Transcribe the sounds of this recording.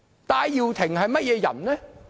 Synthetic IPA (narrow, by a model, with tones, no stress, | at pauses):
t̪aː˨˧jjiː˨˧wt̪ʰɪ˨˩ŋhɐ˨jmɐ˥t̚jɛː˨˧jɐ̰˨˩nnɛː˥